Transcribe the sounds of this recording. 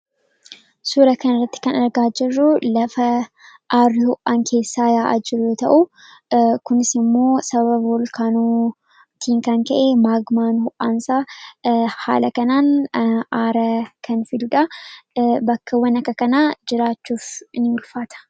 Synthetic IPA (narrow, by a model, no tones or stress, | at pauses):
suɾɐkɐnɐrːɐt̪ːɪ̥kɐnɐɾɡaːd͡ʒɪrːʊlɐfɐ | ʔaːrːɪhʊʔaŋkʰe̞ːsːaːjaːʔɐ̰d͡ʒɪrot̪ɐʔʊ | kʊnɪsɪmːo̞ːsɐbɐβɐbolkaːnoː | t̪ʰiːŋkɐŋkɐʔeːmaːɡmaːnhʊʔaːnsaː | ha̰ːlɐkɐnaːnʔaːɾɐkʰɐnfɪd̪ʊᶑɐ | bɐkːɐwɐnɐkːɐkɐnaːd͡ʒɪɾaːt͡ʃːuːfnɪʊlfaːt̪ʰɐ̥